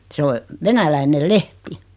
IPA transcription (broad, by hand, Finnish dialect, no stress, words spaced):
se o ʋenælæinel lehti